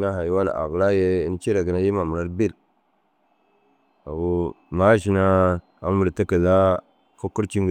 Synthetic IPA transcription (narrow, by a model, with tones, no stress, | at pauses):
na˦ɦa˨ji˦wa˦la̰˨ʔa̰˨ɣla˦je˦i˨˦n˦t͡ʃi˦ɾa˨ɡi˨na˦ji˦ma˨mu˨ɾa˦ɾbi˦l | a̰˨wu˦ma˦ʃi˦na˦ | a˨˦m˦mu˨ɾta˦ka˨za˦ | ko˦ku˦ɾt͡ʃi˦ŋɡ